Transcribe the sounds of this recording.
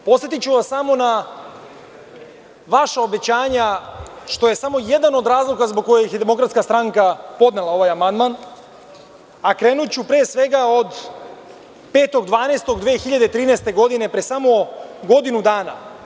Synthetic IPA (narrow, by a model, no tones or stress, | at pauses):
po̞t̪et̪it͡ɕuʋassamo̞na | ʋaʃaobe̞t͡ɕaːɲaʃt̪o̞je̞samo̞je̞d̪ano̞d̪ɾaːzlˠokazboɡ̚kːo̞jeiçjed̪e̞mo̞kɾat̪skast̪ɾaŋkapo̞d̪ne̞lˠao̞ʋajamand̪man | akɾeːnut͡ɕupɾeːsʋe̞ɡao̞d̪ | pe̞ːt̪o̞ɡd̪ʋaːnest̪o̞ɡd̪ʋeːxiʎad̪et̪ɾiːnest̪e̞ɡo̞d̪ine̞pɾesamo̞ɡo̞d̪inud̪aːna̰